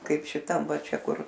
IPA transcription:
ˈkɐɪp ʃʲɪˈtɐm ˈʋɐ ˈt͡ʃʲɛ ˈkʊr

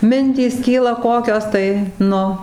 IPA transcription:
ˈmʲɪnʲtʲiːs ˈkʲiːlˠɐ ˈkoːkʲoːs tɐɪ ˈnʊ

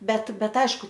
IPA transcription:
ˈbʲɛt ˈbʲɛt ˈɐɪʃkʊ

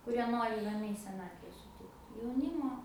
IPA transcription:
kʊˈrʲiɛ ˈnoːrʲɪ rɐˈmʲɛɪ sʲɛˈnɑːtʲʋʲɛ sʊˈtʲɪkt jɛʊˈnʲiːmoː

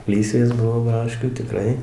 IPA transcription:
ˈlʲiːsʲʋʲeːs ˈbʊʋoː ˈbrɑːʃʲkʲuː tʲɪˈkrɐɪ

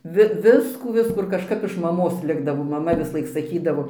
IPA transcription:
ˈʋʲɪ ˈʋʲɪskuː ˈʋʲɪskuː ɪr kɐʃˈkɐp ɪʃ mɐˈmoːs ˈlʲɪɡdɐʋoː ˈmɑːmɐ ʋʲɪsʊˈlˠɐɪk sɐˈkʲiːdɐʋoː

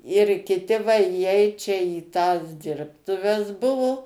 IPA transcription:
ɪr kʲɪˈtʲɪ ʋɐ iːˈɛɪt t͡ʃʲɛ iː tɐs ˈdʲɪrptʊʋʲɛs ˈbʊʋʊ

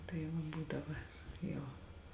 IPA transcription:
tɐɪ ˈʋɐ ˈbuːdɐʋɐ ˈjɛʊ

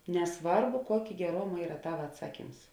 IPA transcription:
nʲɛˈsʋɐrbʊ ˈkuɔkʲeː ɡʲɛˈroːmɐ ˈiːrɐ ˈtɑːʋɐ ɐtˈsɑːˌkʲiːms

